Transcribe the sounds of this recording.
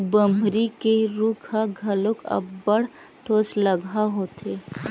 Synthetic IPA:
bəmbʱɾikeɾukʰaɡʱɐlokɐ̰bbəɽ̤ | ʈʰoːt͡ʃlɐɡʱaɦoːt̪eː

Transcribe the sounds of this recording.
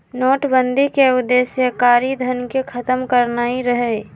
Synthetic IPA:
noːʈbə̃nd̪ʱikeʊd̪ːeːsjəkaːɾid̪ʱənkekʰɐt̪əmkəɾnaːiɾəɦeː

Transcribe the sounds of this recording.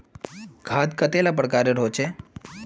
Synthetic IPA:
ɡʱaːd̪kət̪eːlap̬ɽkaːɾeɾoːt͡ʃe

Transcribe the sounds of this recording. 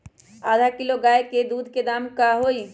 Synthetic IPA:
aːd̪ʱakɪloɡaːeked̪uːd̪ʱked̪aːmkaɦoːi

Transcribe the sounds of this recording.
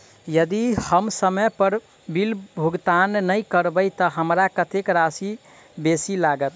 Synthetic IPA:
jəd̪ihəmsəməjpəɾ | bilbʱuɡt̪anːəjkəɾbəjt̪ɔɦəmɾakət̪ekɾasi | besilaɡət̪

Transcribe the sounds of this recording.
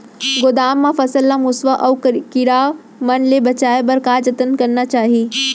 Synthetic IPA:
ɡʊd̪aːmːãfɐsəlːamʊsʋaʔɐːkɪɾaː | mɐnlebɐt͡ʃaːebɐɾkaːd͡ʒɐt̪ənkɐɾnat͡ʃaːɦiː

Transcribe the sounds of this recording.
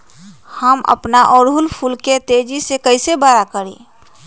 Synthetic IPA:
həmə̰pnaʔɔːɾɦʊlpʰulket̪eːd͡ʒisekəɪsebaɾakəɾḭ̃ː

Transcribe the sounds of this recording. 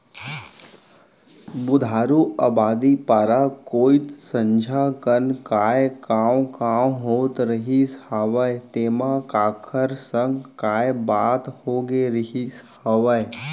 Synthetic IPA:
bʊd̪ʱaːɾuabaːd̪ipaːɾakoːit̪sə̃ɲd͡ʒʱakənkaːjkaːwkaːwɦoːt̪ɾəɦishaːʋəjt̪eːmãkaːkʰəɾsə̃ŋɡkaːjbaːt̪hoːɡeɾəɦishaʋəj

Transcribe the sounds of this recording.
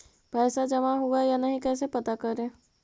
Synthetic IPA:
pɛːsad͡ʒɐmaɦoːɡajanɐɦĩkɛːs̬epɐt̪akɐɾẽː

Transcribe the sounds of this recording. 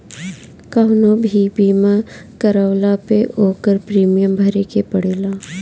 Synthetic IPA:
kaʊnobʱibiːmãkəɾəʋlapeʔoːkəɾpɾiːmijəmbʱəɾekepəɽeːlaː

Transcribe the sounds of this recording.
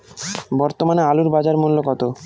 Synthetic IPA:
bɔɾt̪omanealuɾbad͡ʑaɾmulːokɔt̪o

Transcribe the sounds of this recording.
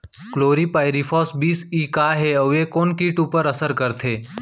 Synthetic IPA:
kloːɾipaːɪɾifʰɔːsbiːsiːkaːɦeɐekoːnkiːʈuːpəɾəsəɾkəɾt̪ʰeː

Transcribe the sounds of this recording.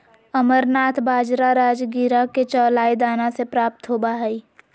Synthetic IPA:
əməɾnaːt̪ʰbaːd͡ʒɾaɾaːd͡ʒɡiɾaket͡ʃɔːlaːid̪aːnasepɾaːp̚t̪ɦoːbaɦɛiː

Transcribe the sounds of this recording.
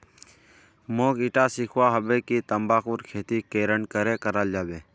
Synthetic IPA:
moːkɪʈasɪkʰʋaɦəbeːkit̪əmbaːkuːɾkʰeːt̪ikeːɾəɳkəɾekəɾaːld͡ʒaːbeː

